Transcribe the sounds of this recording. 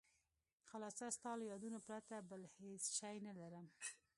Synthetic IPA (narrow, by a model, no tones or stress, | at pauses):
xalɑsast̪ɑlojɑd̪unopɾat̪abəlhesʃɑjnalaɾəm